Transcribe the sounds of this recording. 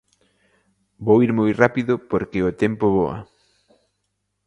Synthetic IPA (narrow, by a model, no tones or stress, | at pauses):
bowiɾmojrapiðʊpoɾkeot̪ɛmpoβoɐ̰